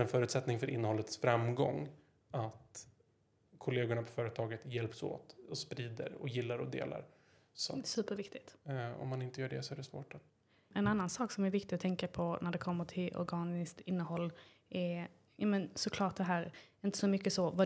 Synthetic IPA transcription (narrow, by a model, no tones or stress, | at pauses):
ɛnfœːɾʉːt̪sɛt̪nɪŋfœɾʔɪnːəhɔlːət̪sfɾamɡɔ̰ŋː | at̪ | kʰʊleːɡʊɳapʰɔfœːɾət̪ʰɑːɡət̪jɛlpso̰ːt̪ɔspɾiːd̪ə̰ɾɔ̰jɪlːaɾɔd̪ḛːla̰ɾ | sɔsʉ̟ːpəɾvɪkt̪ɪt̪ɔ̰mːanɪnt̪əjœːɖɛ̰sɔæɖɛsvo̰ːʈ | ɛnanːansɑːksɔmæɾvɪkt̪ɪɡɔt̪ʰɛŋkapʰɔnæɖɛkʰɔmːəʈʰɪlʔɔ̰ɾɡɑːnɪskt̪ɪnːəhɔlː | ʔɛ | jɑːmənsɔkʰlɑːʈ̚d̪ɛɦæːɾɪnt̪əsɔmʏkːəsɔva